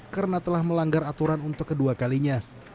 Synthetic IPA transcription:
kəɾnat̪əlahməlaŋɡaɾat̪uɾanunt̪ʊkːəduakaliɲa

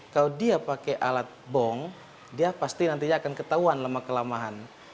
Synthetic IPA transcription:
kalodiapakɛʔalat̪̚bɔŋ | diapast̪inant̪̬iɲaːkankət̪auanlamakəlamaɦan

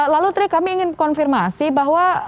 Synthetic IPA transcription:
lalut̪ɾikamiːŋɪnkɔnfirmasibaɦwa

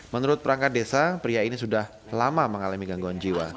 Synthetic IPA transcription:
mənuɾʊt̪̚pəɾaŋkat̪̚desapɾiainisudah | lamaməŋalamiɡaŋɡuand͡ʒiwa

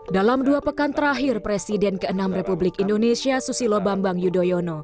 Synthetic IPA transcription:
dalamduapəkant̪əɾaɦɪrpɾesidɛnkəənamrepublɪkindonesiasusilobambaŋjudojono

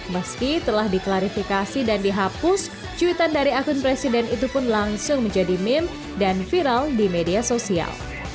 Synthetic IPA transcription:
məskit̪əlahdiklaɾifikasidandiɦapʊs | t͡ʃuit̪andaɾiakʊnpɾesidɛnit̪upʊnlaŋsʊŋməɲd͡ʒadimɪm | danfiɾaldimediasosia̰l

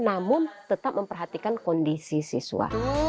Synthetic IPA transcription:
namʊnt̪ət̪ap̚məmpərɦat̪ikankɔndisisḭsṵa̰

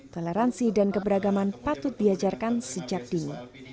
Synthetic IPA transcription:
t̪oleɾansidankəbəɾaɡamanpat̪ʊt̪̚diad͡ʒarkansəd͡ʒak̚d̥ini

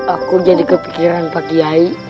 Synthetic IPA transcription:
akud͡ʒadikəpikiɾanpakiai

